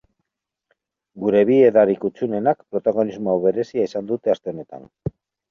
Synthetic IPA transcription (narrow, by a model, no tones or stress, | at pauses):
ɡuɾe̞βieðaɾikut͡ʃune̞nakpɾo̞t̪aɣ̞o̞nizmoaβe̞ɾe̞siaisand̪ut̪e̞ast̪e̞one̞t̪a̰n